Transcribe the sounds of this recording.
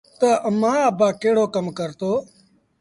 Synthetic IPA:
t̪əəmãːəbaːkeːɽoːkəmkəɾt̪oː

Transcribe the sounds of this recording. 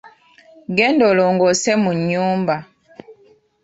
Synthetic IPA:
ɡɛndoloŋɡɔsɛmuɲumba

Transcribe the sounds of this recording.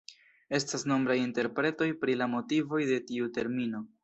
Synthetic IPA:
e̞stasno̞mbɾajinte̞ɾpɾe̞to̞jpɾilamo̞tivo̞jde̞tiute̞ɾmino̞

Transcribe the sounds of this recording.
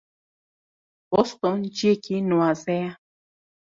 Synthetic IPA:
bɔst̪ɔnd͡ʒiekinũazɛja

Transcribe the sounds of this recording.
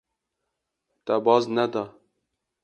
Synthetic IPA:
t̪ɛbɑznɛd̪ɑ

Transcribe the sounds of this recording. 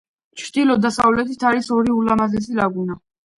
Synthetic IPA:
t͡ʃʰɾd̪ilɔd̪asavlɛt̪ʰit̪ʰaɾisɔɾiulamazɛs̬ilaɡuna

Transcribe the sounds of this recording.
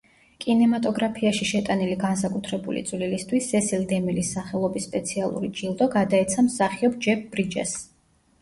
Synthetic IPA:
kʼinɛmat̪ʼɔɡɾapʰiaʃiʃɛt̪ʼaniliɡans̬akʼut̪ʰɾɛbulḭt̪sʼvlilist̪ʰwisːɛsild̪ɛmilisːaχɛlˠɔbisːpʼɛt̪sʰialˠṵɾid͡ʒilˠd̪ɔɡad̪aɛt̪sʰamsaχiɔbd͡ʒɛp̚ʰbɾid͡ʒɛ̰s

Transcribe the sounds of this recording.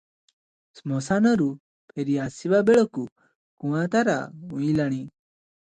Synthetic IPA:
smɔsanɔɾu | pʰeɾiasibabeɭɔku | kũwãt̪aɾa̰ũĩlaɽ̃i

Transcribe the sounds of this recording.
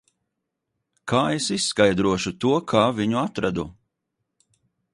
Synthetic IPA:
kʰaːesissːkajd̪ɾuɔʃut̪uɔkʰaːviɲuat̪ɾad̪u

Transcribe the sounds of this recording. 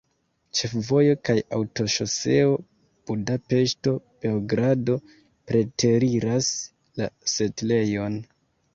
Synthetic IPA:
t͡ʃe̞fvo̞jo̞kaja̰wto̞ʃo̞se̞o̞ | b̥udape̞ʃto̞b̥e̞oɡɾado̞ | pɾe̞tʰe̞ɾiɾas | lase̞tle̞jo̞n

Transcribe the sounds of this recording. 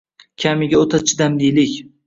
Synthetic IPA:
kʲʰamɪɡʲaot̪ʰat͡ʃʰɪd̪amd̪ijlɪkʲ

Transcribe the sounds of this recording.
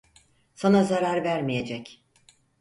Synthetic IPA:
sanazaɾaɾvæɾmije̞d͡ʒɛc

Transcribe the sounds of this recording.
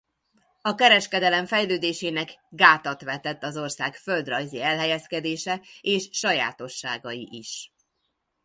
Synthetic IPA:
ɒkɛɾɛʃkɛd̪ɛlɛmɱfɛjløːd̪eːʃeːnɛkɡaːt̪ɒt̪ʋɛt̪ɛt̪ːɒzo̞rsaːkføld̪rɒjziɛlɦɛjɛskɛd̪eːʃɛeːʃːɒja̰ːt̪o̞ʃːa̰ːɡɒjiʔiʃ

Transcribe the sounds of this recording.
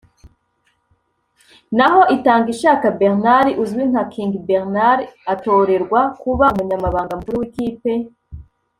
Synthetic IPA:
naɦo̞ʔitaːŋɡiʃaːkabeɾnaɾiʔuzwin̥akʰiŋɡibeɾnaɾiato̞ːɾe̞ɾɡwakuβamuɲamaβaːŋɡamukuɾiwikiːpe̞

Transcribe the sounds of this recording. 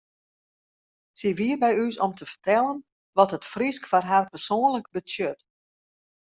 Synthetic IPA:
siʋiərbɛjysɔmtʰəfərtɛlˠən | ʋɔthətfriskfarɦarpərsoːənləkbəsjøt

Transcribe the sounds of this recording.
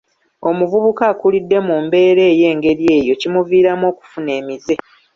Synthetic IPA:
o̞muvuβukaːkulidːe̞mumbe̞ːɾe̞ːje̞ːŋɡe̞ɾie̞ːjo̞cimuviːɾamo̞ːku̥fune̞ːmize̞

